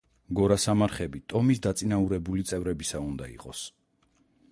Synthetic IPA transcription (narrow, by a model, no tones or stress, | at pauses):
ɡɔɾasamaɾχɛbit̪ʼɔmisd̪at̪sʼinauɾɛbulit̪sʼɛvɾɛbisaund̪aḭqʼɔs